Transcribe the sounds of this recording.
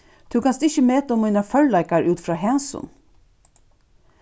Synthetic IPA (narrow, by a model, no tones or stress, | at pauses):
t̪ʰʉːkɑnsd̪ʉɪçəmeːt̪əɔmiɪnɑfœllæɪkɑɾʉːt̪fɾɑːɦɛnsʊ̰n